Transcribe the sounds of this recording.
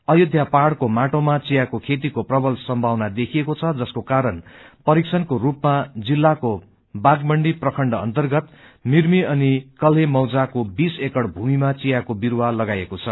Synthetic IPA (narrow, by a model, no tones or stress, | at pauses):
ʌjud̪ʱjapaɽkomaʈomat͡sijakokʰet̪̬ikoprʌbʌlsʌmbʱawnad̪ekʰiekot͡sʰʌd͡zʌskokaɾʌnpʌɾiksʰʌnkorupmad͡zilːako | baɡbʌɳɖiprʌkʰʌɳɖʌʌ̰nt̪ʌrɡʌt̪ | mirmiʌnikʌlɦemʌwd͡zakobisekʌɽbʱumimat͡sijakobiɾwalʌɡajekot͡sʰʌ